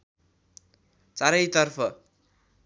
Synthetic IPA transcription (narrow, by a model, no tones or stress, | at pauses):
t͡saɾʌjt̪ʌrpʰʌ